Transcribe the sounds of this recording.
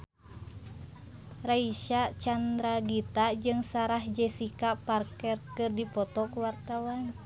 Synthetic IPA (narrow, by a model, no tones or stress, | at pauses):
raiʃat͡ʃand̪ɾaɡit̪ad͡ʒɨŋsaɾahd͡ʒɛsikaparkɛrkɨrdipɔt̪ɔkuwart̪awan